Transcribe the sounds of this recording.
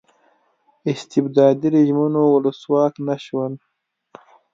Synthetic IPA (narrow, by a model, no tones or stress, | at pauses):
ɪst̪ɪbd̪ɑːd̪iɾiʒmunoʊləswɑːknaʃwən